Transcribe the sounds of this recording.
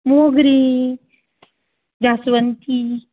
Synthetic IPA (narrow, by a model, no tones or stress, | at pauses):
moɡɾi | d͡ʑasʋənt̪i